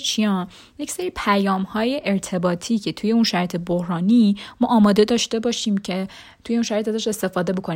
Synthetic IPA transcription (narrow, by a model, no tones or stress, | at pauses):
t͡ʃʰijɒn | je̞cseɾipʰæjɒːmhɒːje̞ʔeɾt̪ʰe̞bɒːt̪ʰiːcʰe̞t̪ʰuje̞unʃæɾjet̪ʰebohɾɒːniːmɒːʔɒːmɒːd̪e̞d̪ɒːʃt̪e̞bɒːʃiːmcʰe̞ | t̪ʰuje̞unʃæɾjet̪æzæʃe̞st̪e̞fɒːd̪e̞bo̞kʰoni